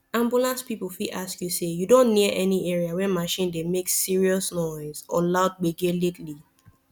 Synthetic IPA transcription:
ãmbulãnspipufiʔaskjusejudõnːiʔɛniɛɹiawɛmaʃĩndemeksiɹiɔsnɔɪzɔ̰laʊd̚ɡ͡beɡelitli

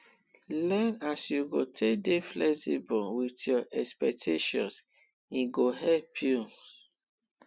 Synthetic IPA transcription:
lɛ̃nasjuɡotʰekdeflɛsibɔwitjɔʔɛkspɛk̚tʰeʃɔ̰̃ns | iɡoɦɛpʰju

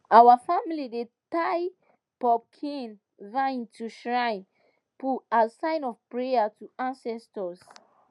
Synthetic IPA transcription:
awəfamilidetaj | pɔb̚kʰĩn | vãĩntʰuʃɹãɪ̃n | puasãɪ̃nɔvpɹejatuãnsɛstəs

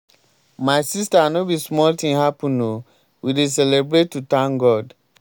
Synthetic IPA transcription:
maɪsistanobismɔltĩŋhapũno | wides̬ɛlebɾetːutãnɡɔd

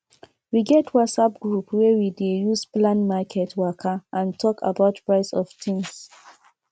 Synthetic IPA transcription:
wiɡɛtwatsap̚ɡɹupwɛwidejusplãnmakʰɛtwakʰaãntʰɔka̰baʊtpɹaɪsɔftʰĩŋs

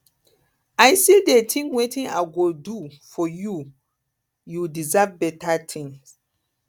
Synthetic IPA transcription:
ajsidetʰĩŋwetĩnaɪɡodufɔju | judizavbɛtatʰĩŋs

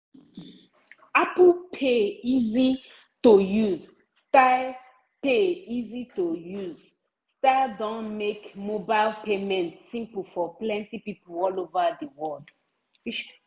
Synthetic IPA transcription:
aplpʰeizi | tojuz | stal | peizitojuz | staɪldɔ̃nmekmobaɪlpemɛ̃ntsĩmpəl̩fɔplɛ̃ntipiplɔlovədəwɔld

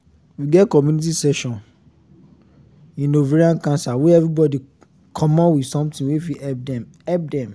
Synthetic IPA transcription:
wiɡɛtkɔmjũnit̬isɛʃɔ̃n | ĩnoveɾiãnkãnsawɛɛvɹibɔdi | kʰɔ̃mãwidsɔ̃mtĩwefiɛp̚dɛ̃m | ɛp̚dɛ̃m

